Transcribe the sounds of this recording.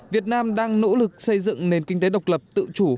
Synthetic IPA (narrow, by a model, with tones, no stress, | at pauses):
vi˨˩ət̚naː˧mɗaː˧ŋno̰˧˥lɨ˨˩k̚sə˧jzɨ̰˧˨ŋne˨˩nkï˧ŋ̟t̪e˨˦ɗə˨˩wk͡p̚lə˨˩p̚t̪ɨ̰˧˨t͡ɕu˧˩